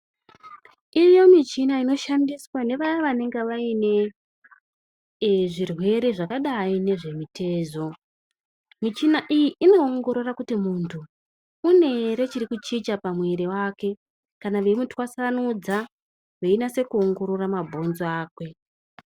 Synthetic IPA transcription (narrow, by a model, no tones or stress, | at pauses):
ijo̞mit͡ʃinaino̞ʃandiswane̞ʋajaʋane̞ŋɡeʋaine̞ | ʐirwe̞ɾeʐakaɗaine̞ʐe̞mitʰe̞ːzo̞ | mit͡ʃinaʔijiʔino̞ːŋɡo̞ɾo̞rakutimuntʰuː | ne̞ɾe̞t͡ʃiɾikut͡ʃit͡ʃapamwe̞ɾewaːke̞ | kanaʋe̞mutwasanud͡za | ʋeinase̞kuo̞ŋɡo̞ɾo̞ramabʱo̞nzoaːkwe̞